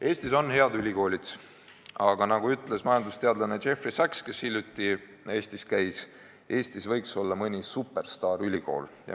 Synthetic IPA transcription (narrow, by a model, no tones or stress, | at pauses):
e̞ːst̪iso̞nhe̞ɑd̪ylʲiko̞ːlʲid̪̥ | ɑɡ̥ɑnɑɡuyt̪ːˑle̞smɑjɑnd̪ust̪e̞ɑd̪lɑnet͡ʃe̞frisækskeshilʲjut̪ːi | e̞ːst̪iskæjs | e̞ːst̪isvɤjkso̞lːɑmɤnʲisupːˑe̞rst̪ɑːɾylʲiko̞̰ːljɑ̰